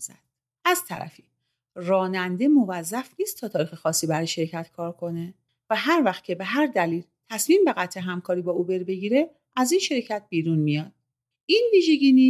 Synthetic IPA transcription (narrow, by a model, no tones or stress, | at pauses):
zæd̪̥ | ʔæzt̪ʰæɾæ̰fi | rɒːnænd̪e̞mo̞væzːæfniːst̪ːʰɒːt̪ʰɒːɾixexɒːsːiːbæɾɒjeʃe̞ɾcʰæt̪kʰɒːɾkʰo̞ne̞ | væɦæɾvæxt̪̚cʰe̞be̞ɦæɾd̪æliːlt̪ʰæsmiːmbe̞ɣæt̪ʰːeɦæmkʰɒːɾiːbɒːuːbe̞ɾbe̞ɟiːɾe̞ | æziːnʃe̞ɾecʰæt̪̚b̥iːɾunmijɒːd̪̥̚ | iːnviːʒe̞ɟiːni